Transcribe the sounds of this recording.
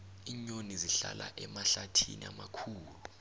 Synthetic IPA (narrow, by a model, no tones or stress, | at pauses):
iɲoniziɬalaʔɛmaɬatʰḭniamakʰuːlu